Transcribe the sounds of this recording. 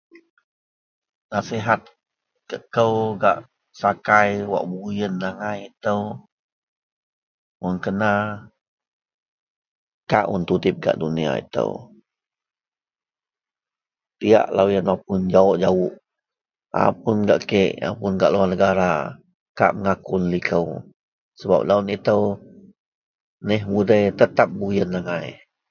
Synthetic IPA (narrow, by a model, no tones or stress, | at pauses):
nasiɦat̪̚ | kəʔkəwɡaʔ | sakajwa̰ʔbujənːaŋajit̪əw | unkəna | ka̰ʔṵnt̪ud̪ip̚ɡa̰ʔdunia̰ḭt̪ə̰w | t̪ia̰ʔlawjənap̚ʊnd͡ʒaɔʔd͡ʒawʊʔ | a̰pʊnɡaʔkəʔa̰pʊnɡa̰ʔluanəɡaɾa | ka̰ʔməŋakunlikəw | səba̰p̚launit̪əw | nɛɦmudəjt̪ət̪ap̚bujənlaŋaj